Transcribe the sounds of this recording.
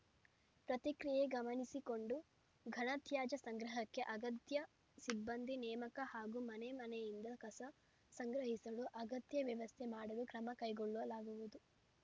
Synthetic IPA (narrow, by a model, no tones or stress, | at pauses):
pɾɐt̪ikɾijeɡɐmɐnisiko̞ɳɖu | ɡʱɐɳɐt̪jaːd͡ʒɐsɐŋɡɾɐɦɐkːe̞ʔɐɡɐt̪jɐ | sibːɐnd̪ʱinɛːmɐkɐhaːɡumɐnemɐnɛjind̪ɐkɐsɐ | sɐŋɡɾɐɦisɐluʔɐɡɐt̪jɐʋjɐʋɐst̪ʰemaːɽɐlukɾɐmɐkɐjɡoɭːuʋɐlaːɡuʋud̪u